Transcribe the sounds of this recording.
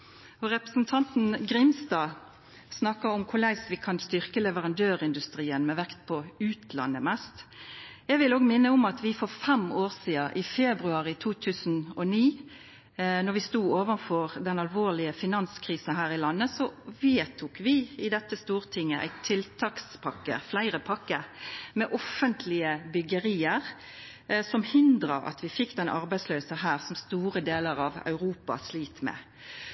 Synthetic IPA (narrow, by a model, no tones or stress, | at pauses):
ɔɾɛpʁəsn̩t̪ʰɑnt̪n̩ɡɾɪmst̪ɑː | snɑkːɑʊmkʰʊlæɪsʋɪkʰɑnst̪ʏʁkəlɛʋəʁɑnd̪øːʁɪnd̪ʉst̪ʁiːənmɛʋɛkt̪̚pʰɔʉːt̪ʰlɑ̰nːəmɛst̪ɛɡʋɪloːɡmɪnːəʊmɑt̪ʰʋɪfɔʁfɛmoːʁsiːɑʔɪfɛːbʁʉɑːʁɪt̪ʰuːt̪ʰʉːsn̩ɔniː | nɔʁʋɪst̪uːoːʋənfɔʁd̪ɛnɑlʋoːʁlɪəfɪnɑnskʰʁiːsnhæːʁɪlɑnːəsɔʋeːt̪ʰuːkʋɪɪd̪ɛt̪ːəst̪uːʁt̪ʰɪŋːəʔæ̰ɪt̪ʰːɪlt̪ʰɑːkspʰɑkːə̰flæɪʁəpʰɑkːəmɛːʔɔfːənt̪ʰlɪəbʏɡəʁiːəʁ | sɔmhɪnd̪ʁɑɑ̰t̪ʰʋɪfɪkːd̪ɛnʔɑ̰ʁbæɪsløːsəhæːʁsɔmst̪uːʁəd̪eːləʁɑʋɑ̰ʉʁuːpɑ̰sliːt̪mɛ̰ː